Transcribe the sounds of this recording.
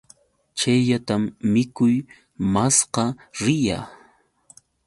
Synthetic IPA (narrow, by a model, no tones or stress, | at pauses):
t͡ʃajʎat̪amːɪkʊj | masqɑɾɪja̰ː